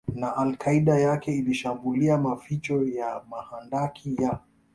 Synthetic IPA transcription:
naʔalkʰaiɗajakɛiliʃambuliamafit͡ʃɔjamahandakʰija

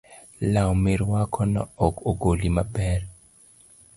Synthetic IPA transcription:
lawmɪɾwakʰɔnɔ̰ɔkoɡolimabɛr

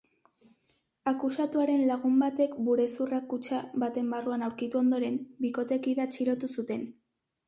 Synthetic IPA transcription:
akusat̪uaɾe̞nlaɣ̞umbat̪e̞kbuɾe̞surakut͡ʃaβat̪e̞mbaruanawɾkit̪uo̞nd̪o̞ɾe̞mbiko̞t̪e̞kiðat͡ʃiɾo̞t̪usut̪e̞n

